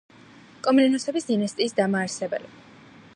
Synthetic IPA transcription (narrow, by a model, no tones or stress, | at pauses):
kʼɔminɛnɔsɛbisd̪inast̪ʼiːsd̪amaːɾsɛbɛ̰li